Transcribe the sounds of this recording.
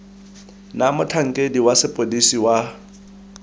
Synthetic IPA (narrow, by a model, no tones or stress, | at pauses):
namʊtʰaŋ̩kʼediwasɪpʼodisiwa